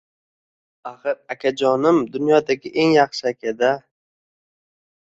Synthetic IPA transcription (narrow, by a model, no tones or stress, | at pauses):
aχɨɾakʲʰad͡ʒɒnɪmd̪ʊnjɒd̪aɡʲɪʔe̞ŋjɑχʃɪakʲʰad̪a